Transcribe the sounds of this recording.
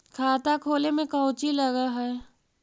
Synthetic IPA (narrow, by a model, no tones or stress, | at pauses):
kʰaːt̪akʰoːlemẽkəʊt͡ʃiləɡaɦɛː